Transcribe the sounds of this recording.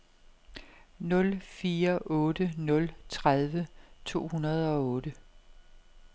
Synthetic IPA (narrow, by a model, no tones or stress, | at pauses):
nɔ̽lfiːɐʔɔ̽ːd̥ənɔ̽lt͡sʰʁaðˠʋət͡sʰo̝̰ːhunɐð̞ˠɒ̽ɔ̽ːd̥ə